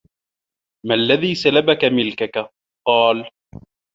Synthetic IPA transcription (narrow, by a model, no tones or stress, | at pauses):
malːaðiːsalabakamɪlkaka | qɑːl